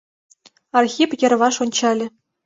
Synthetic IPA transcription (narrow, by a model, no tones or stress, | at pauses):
ɑrxʲipjɘ̆rʋɑʂonʲt͡ɕɑlʲɘ̆